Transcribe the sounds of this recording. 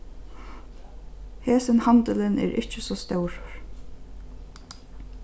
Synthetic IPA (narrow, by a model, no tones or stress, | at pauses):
heːsɪnhant̪ɪlɪnɛ̰ːɾʔɪ̰ht͡ʃɪsɔːst̪œwɹ